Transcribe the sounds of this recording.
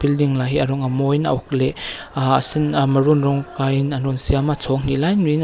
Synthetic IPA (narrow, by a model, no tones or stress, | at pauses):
bildiŋlaɦiɐɾɔŋamɔjna̰ʔɔkleasinmɐɾunɾɔŋkajnanɔnsiamat͡sʰɔŋnilajnuin